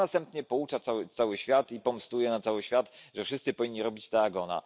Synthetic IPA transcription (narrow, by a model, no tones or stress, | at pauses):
nast̪ɛmpt̪ɲɛpɔut͡ʂat̪sawɘt̪sawɘɕfʲjat̪ipɔmst̪ujɛnat̪sawɘɕfʲjat̪ʐɛfʂɘst̪sɘpɔvʲiɲʲːiɾɔbʲit͡ɕt̪ɛaɡɔna̰